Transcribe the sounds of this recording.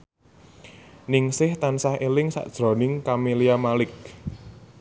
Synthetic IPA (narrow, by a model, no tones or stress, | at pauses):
nɪŋsɪht̪ansahelɪŋsa̰ʔd̥ʒ̥ɾɔ̤nɪŋkameliamalɪk̚